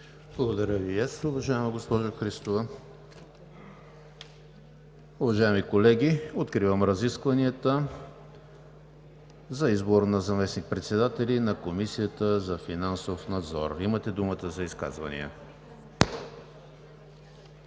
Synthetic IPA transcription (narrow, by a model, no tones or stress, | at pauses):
blˠɐɡod̪ɐɾʲjəviasʊvɐʒaɛmɐɡospɔʒoxɾist̪ovə | ʊvɐʒaɛmikolɛɡʲiot̪kɾivəmɾɐziskvɐniət̪ə | zɐizboɾnɐzɐmɛsnik̚pɾɛt̪sɛd̪at̪ɛlinɐkomisijət̪əzɐfinansofnɐd̪zɔ̰ɾimət̪ɛd̪umət̪əzɐiska̰zvɐ̰nḭə̰